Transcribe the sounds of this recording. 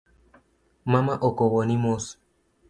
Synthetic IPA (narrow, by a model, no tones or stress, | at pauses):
mamaʔokowonimos